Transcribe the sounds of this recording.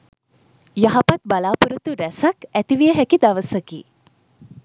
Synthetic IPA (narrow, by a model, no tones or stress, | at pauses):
jɐɦɐpɐt̪̚balaːpuɾut̪uɾæsɐkæt̪iʋijəɦækid̪ɐʋɐsɐkḭː